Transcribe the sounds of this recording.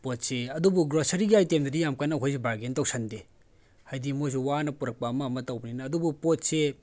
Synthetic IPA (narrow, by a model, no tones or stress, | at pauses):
pot̚seɐdubuɡɾosɐɾiɡiajtemdɐdijamkanːɐɦʰojs̬ebaɡentɐwsʰɐnde | hajdimojs̬uwanɐpuɾɐk̚pɐːmɐːmɐtɐwbɐninɐːdubupot̚se